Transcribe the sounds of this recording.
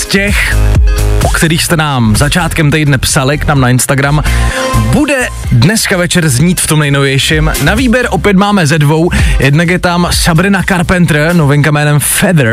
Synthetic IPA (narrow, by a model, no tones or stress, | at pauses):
scɛx | ʔokt̪ɛɾiːxst̪ɛnaːmzat͡ʃaːt̪kɛmt̪ɛjdnɛpsalɪknaːmnaɪnst̪aɡɾambudɛ | dnɛskavɛt͡ʃɛɾzɲiːt̪ft̪o̞mnɛjno̞vjɛjʃɪmnaviːbjɛɾʔo̞pjɛt̪maːmɛzɛdvo̞wjɛdnak̬jɛt̪amsabɾɪnakaɾpɛnt̪ɾəno̞vɪŋkamɛːnɛmfɛd̪ɾ